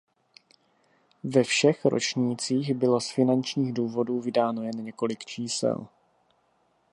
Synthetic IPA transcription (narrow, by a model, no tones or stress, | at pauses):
vɛfʃɛxɾo̞̰t͡ʃɲiːt͡siːɣbɪlo̞sfɪnant͡ʃɲiːɣduːvo̞duːvɪdaːno̞jɛnɲɛko̞lɪkt͡ʃiːsɛ̰l